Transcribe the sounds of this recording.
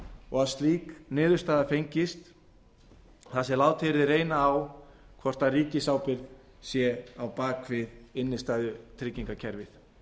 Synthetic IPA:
ɔɣaðst̪liːknɪːðʏɾ̥st̪aːðafejɲcɪst̪ | θasɛlaːwt̪ʰɪɾðɪrejnaːwkʰvɔr̥t̪ariːcɪsaːwpɪɾð | sjɛawpaːkʰvɪðɪnːɪst̪aːðʏt̪ʰɾɪcːiŋkacʰɛɾvɪθ

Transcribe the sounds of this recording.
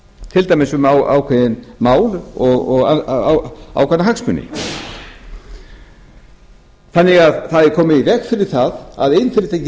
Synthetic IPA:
t̪ʰɪlt̪ajmɪsʏmawa̰ːwkʰvɛðɪnmaːwlɔɣɔɣawa̰wkʰɛnaɦaksmʏ̰nːɪ̰ | θanːɪɣaðθaðɛɾkʰɔːmɪivɛkfɪɾɪɾ̥θaða̰ðejnfɪɾɪ̥t̪ʰejcɪ

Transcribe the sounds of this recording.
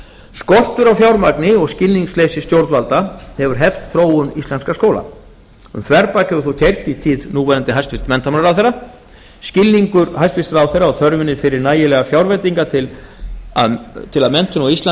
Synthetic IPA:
skɔr̥t̪ʏɾawfjawɾmaknɪɔɣscɪlniŋkslejsɪst̪jowɾt̪valt̪ahɛvʏɾ̥ɦɛft̪θɾoːwʏnist̪lɛnskaskoːwla̰ | ʏmθvɛɾpacɛvʏθowt̪ʰejr̥t̪it̪ʰiːðnuːvɛɾant̪ɪɦajst̪vɪst̪mɛnt̪amanaɾawθejɾrːa | scɪlniŋkʏɾɦajst̪vɪst̪ɾawθejrːaɔɣθœɾvɪnɪɾfɪɾɪɾnaːjɪlɛːɣafjawɾvet̪iŋkat̪ʰɪla̰ðt̪ʰɪlaðmɛn̥t̪ʏnɔist̪a

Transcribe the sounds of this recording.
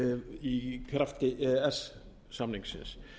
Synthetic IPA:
ikʰɾaft̪ɪɛs | samniŋksɪ̰ns

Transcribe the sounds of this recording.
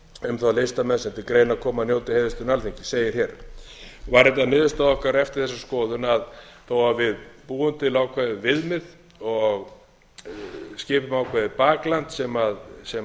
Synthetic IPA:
ʏmθalejst̪amɛnsɛnt̪ɪkɾeːjnakʰɔːmanjowt̪ɪheːjðʏst̪ʏnalθiɲcɪ̥seːjɪɾ̥çɛɾ | vaɾɛt̪aðnɪːðʏst̪aðɔhkaɾɛft̪ɪɾ̥θɛsːaskɔːðʏnaðθoːwavɪðpuːʏnt̪ɪlaːwkʰvaðɪvɪðmɪð | ɔɣ | scɪːpʏmaːwkʰvaðɪpaːklant̪sɛmaðsɛ

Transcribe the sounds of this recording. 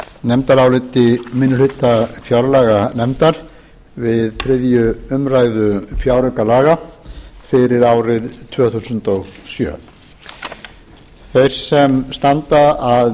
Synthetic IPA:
nɛmt̪aɾaːwlɪt̪ɪmɪnːʏlhɪt̪ːafjawɾalaːɣanɛmt̪aɾ̥ | vɪðθʰɾɪðjʏʏmɾaːjðʏfjawɾʏkalaːɣafɪɾɪɾaːwɾɪɾt̪ʰvœːθusʏnt̪ɔɣsjœ̰ː | θejɾ̥sɛmst̪ant̪aað

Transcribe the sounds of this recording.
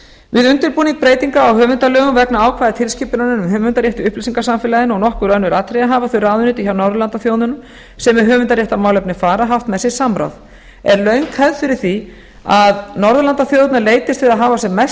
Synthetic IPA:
vɪðʏnt̪ʏɾpuːniŋk̚pɾeːjt̪iŋkaːwɦœːvʏnt̪alœːɣʏmvɛknaaːwkʰv̥ajðɪt̪ʰɪlsciːpʏnanɪnʏmhʏːvʏnt̪aɾjɛht̪ʏʏhplisiŋkasamfɪːlaðɪnɔɣnɔhkʏɾœnʏɾaːt̪ɾejaɦaːvaθʏɾaːðʏnʏt̪ɪçawnɔɾðʏlant̪aθjoːwnʏnʏm | sɛmɛɦʏːvʏnt̪aɾjɛht̪amawlɛpnɪfaːɾaɦaft̪mɛsjɛɾ̥samɾa̰ð | ɛɾlœɥŋkhɛðfɪɾɪɾ̥θi | aðnɔɾðʏlant̪aθjoːwt̪naleːjt̪ɪst̪fɪðaðɦaːvasɛmɛs

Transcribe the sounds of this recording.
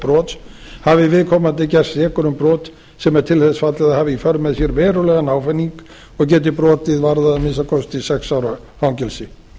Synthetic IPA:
pɾɔːt̪shavɪvɪðkʰɔːmat̪ɪcɛr̥sɛːkʏɾʏmpɾɔːt̪ | sɛmɛɾ̥t̪ʰɪlθɛsfat̪lɪðahavɪifœɾmɛðsjɛɾvɛːɾʏlɛɣanaːwfɛnːiŋk | ɔɣcɛːt̪̬ɪpɾɔːt̪ɪðvaɾðaamɪnsakʰɔst̪isɛksawɾa | hawŋcɛlsɪ

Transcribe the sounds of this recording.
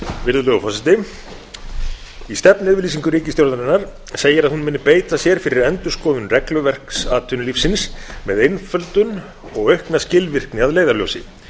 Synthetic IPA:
vɪɾðʏlœɣʏfɔsɛt̪ɪ | ist̪ɛpnɛðvɪliːsiŋkʏɾiːcɪst̪jowɾðanɪnːaɾ̥ | seːjɪɾaðhunmɪːnːʏpeːjt̪asjɛɾ̥fɪɾɪɾɛnt̪ʏ̥skɔːðʏnrɛklʏvɛr̥ksaːt̪ʰʏnʏlifsːɪnsmɛðejnfœlt̪ʏn | ɔɣœɥhknascɪlvɪr̥knɪaðleːjðaɾljo̰ːwsɪ

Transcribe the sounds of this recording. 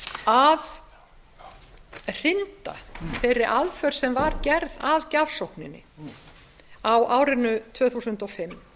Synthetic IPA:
að | r̥ɪnt̪a̰θejɾːɪʔaðfœɾ̥sɛmvaɾcɛɾðaðcavsowhknɪnːɪ̰ | awaːwɾɪnːʏt̪ʰvœːθusʏnt̪ɔfɪmː

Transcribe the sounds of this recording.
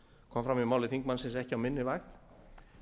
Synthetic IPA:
kʰɔmfɾamimaːwlɪθiŋk̚mansɪnsɛhcɪawmɪnːɪvajxt̪

